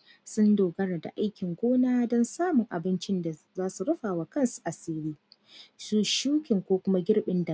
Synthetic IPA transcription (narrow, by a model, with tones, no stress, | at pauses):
sʊ˦ndoː˨ɡɐ˦ɽa˨da̰˨ʔa˦jkʲɪ˨ŋɡʷoː˦naː˦dɔ˦nsaː˦mʊ˨ŋʔa˨bɪ˦nt͡ʃɪ˦nda˨ | zaː˦su˨ɽɐ˦ɸaː˨wa˨kɐ˦˨nsu̥˨ʔa˨seː˦ɽiː˦ | su˦ʃuː˦kʲɪ˨ŋkʷoː˦kʷʊ˦ma˦ɡʲɪ˦ɽɓɪ˦nda˨